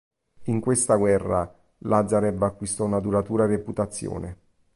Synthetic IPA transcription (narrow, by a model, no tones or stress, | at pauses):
iŋkwest̪aɡwɛrːa | lʔad̪zaɾɛbakːwist̪ɔunad̪uɾat̪uːɾaereput̪at̪sːjo̰ːne